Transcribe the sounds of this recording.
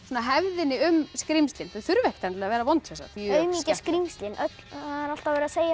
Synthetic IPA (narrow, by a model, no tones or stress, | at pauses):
sɔːnaɦɛvðɪnːɪʏmskɾimst̪lɪnθaðθʏɾvɛht̪ant̪ɛavɛːɾavɔnt̪fɛsa̰øɥmiːcaskɾimst̪lɪnʔœt̪l̥aaɾal̥t̪avɛɾɪaseːja